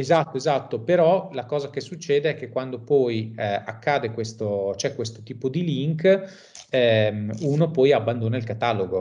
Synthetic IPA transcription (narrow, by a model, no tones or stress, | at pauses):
ezat̪ːoezat̪ːopeɾɔlakɔːzakesːut͡ʃːeːd̪eɛkːekːwand̪opɔja̰kːaːd̪ekwest̪ot͡ʃoɛkwest̪ot̪iːpod̪iliŋk | ɛmuːnopɔjabːand̪oːnailkat̪aloɡo